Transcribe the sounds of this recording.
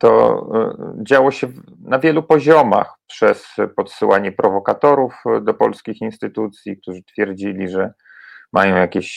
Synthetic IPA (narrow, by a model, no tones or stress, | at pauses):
t̪ɔ̰ | d͡ʑawɔɕɛv | navʲjɛlupɔʑɔma̰xpʂɛspɔt̪sɘwaɲɛpɾɔvɔkat̪ɔɾufd̪ɔpɔlskʲixinst̪ɘt̪ut̪sʲjik̚t̪uʐɨt̪fʲjɛɾd͡ʑilʲiʐɛ | majɔ̃w̃jakʲeɕ